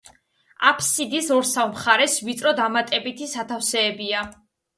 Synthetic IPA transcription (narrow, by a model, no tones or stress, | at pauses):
apʰsid̪isɔɾsavmχaɾɛsvit̪sʼɾɔd̪amat̪ʼɛbit̪ʰisat̪ʰafsɛːbia